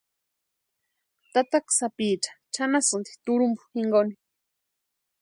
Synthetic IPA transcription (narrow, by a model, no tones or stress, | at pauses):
t̪at̪aksapiːt͡ʃḁt͡ʃʰanasɨnt̪i̥t̪uɾumbu̥hiŋɡoni